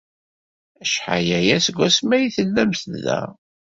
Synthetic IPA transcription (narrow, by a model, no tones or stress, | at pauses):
æʃħa̰jæjæsɡʷæsmæjiθəlːæmθðæ̰